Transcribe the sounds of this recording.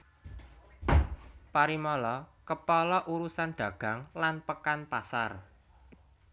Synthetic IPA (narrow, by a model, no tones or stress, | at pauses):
paɾimɔlɔkəpɔlɔʔuɾusanɖ̪̥ä̤ɡ̥ä̤ŋlanpəkanpasar